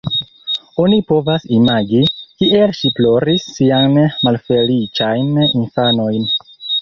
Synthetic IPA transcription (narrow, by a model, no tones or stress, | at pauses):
o̞nipo̞vasimaɡikiʔe̞lʃiplo̞ɾisːianmalfe̞lit͡ʃajninfano̞jn